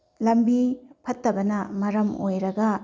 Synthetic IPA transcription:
lɐmbipʰɐtːɐbɐnɐmɐɾɐmo̰jɾɐɡɐ

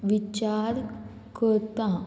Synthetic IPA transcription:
ʋit͡ɕaɾ | kəɾt̪a

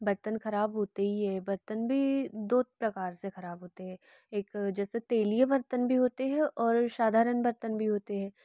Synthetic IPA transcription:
bɐɾt̪ənxɐɾaːbɦoːt̪eɦiɦɛːbɐɾt̪ənbʱid̪oːt̪̚pɾɐkaːɾsexɐɾaːbɦoːt̪eɦɛ̃ː | eːkd͡ʒɛːset̪eːlijəʋɐɾt̪ənbʱiɦoːt̪eɦɛ̃ʔɔːɾʃaːd̪ʱaːɾənbɐɾt̪ənbʱiɦoːt̪eɦɛ̃ː

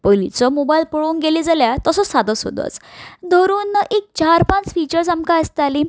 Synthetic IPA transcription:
polḭt͡sɔmobajilpuɭounɡelid͡zaljat̪əsɔsad̪əsɦo̰d̪ə̰t͡sd̪ʱəɾuːnʔek̚t͡ɕaɾpãt͡sfit͡ɕəɾs̬amkaəst̪ali

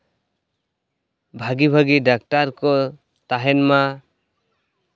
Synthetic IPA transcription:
bʱaɡibʱaɡiɖak̚ʈaɾkɔ | t̪aɦɛnma

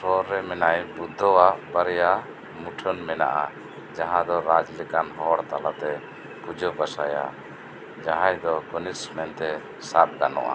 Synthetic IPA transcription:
sɔɾːɛmɛnajbud̪ʱːɔwaʔbaɾɛja | muʈʰənmɛna̰ʔa | d͡ʒaɦãd̪ɔɾad͡ʒlɛkanɦɔɽt̪alat̪ɛ | pud͡ʒɔbasaja̰ | d͡ʒaɦãjd̪ɔkɔnismɛnt̪ɛ | sat̪̚ɡanɔ̰ʔa̰

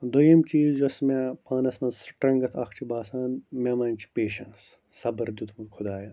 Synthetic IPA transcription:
d̪ujɐmt͡ʃiːzd͡ʒɐsmepaːnɐsmɐnsʈɾɐŋɡɐt̪ʰɐ̰kʰt͡ʃʰibaːsaːnmemɐnt͡ʃʰi̥peːʃɐnsː | ɐbɐɾd̪ut̪ʰmɐnkʰʊd̪aːjɐ

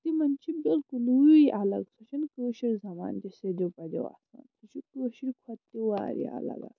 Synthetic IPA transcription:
t̪imɐnt͡ʃʰibilkuluuʔɐlɐ̰ɡsut͡ʃʰinkuːʃiɾʲzɐma̰ːnt̪ised̪ʲopɐd̪ʲḛwa̰sa̰nsut͡ʃʰikuːʃiɾkʰwɐt̪ːiwaːɾḭa̰lɐ̰ɡa̰s

